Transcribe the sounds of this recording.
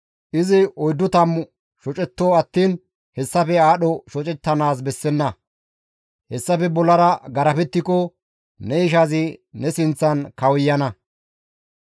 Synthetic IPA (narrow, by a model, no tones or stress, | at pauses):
ʔɪzɪɔjd̪ːʊt̪ɐmʊ | ʃɔt͡ʃʼɛt̪ːoːɐt̪ːiːn | hɛsːɐpɛaːɗɔʃɔt͡ʃʼɛt̪ːɐnaːs̬bɛsːɛnːɐ | hɛsːɐfɛbɔlːɐɾɐɡɐɾɐpɛt̪ːɪkɔ | nɛɪʃ̬ɐzɪnɛsɪnt͡sːɐnkɐwɪjːɐnɐ